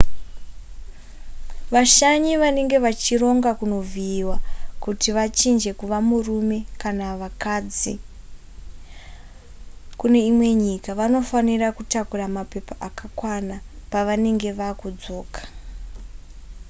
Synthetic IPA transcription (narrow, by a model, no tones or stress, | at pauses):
ʋaʃaɲiʋane̞ŋɡe̞ʋat͡ʃiro̞ŋɡakuno̞viːwakutiʋat͡ʃind͡ʒe̞kuʋamurume̞kanaʋakad͡zi | kune̞imwe̞ɲikaʋano̞fanirakutakuramape̞paʔakakwanapaʋane̞ŋɡe̞ʋakud͡zo̞ːkḁ